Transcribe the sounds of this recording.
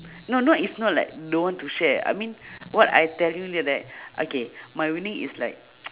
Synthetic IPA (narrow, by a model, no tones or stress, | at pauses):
nonoʔisnɔt̚la̰ɪk̚dowɔ̃ntuʃɛa̰jmĩnwɔta̰jtɛljulidɛt̚ʔo̰kemajwinĩŋḭslaɪk̚